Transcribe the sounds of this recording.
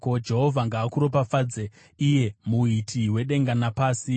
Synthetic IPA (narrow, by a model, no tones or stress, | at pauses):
kod͡ʒe̞ɦo̞vʱaŋɡaːkuɾo̞pafaːd͡ze | ije̞muitʰiwe̞ɗe̞ŋɡanapaːsi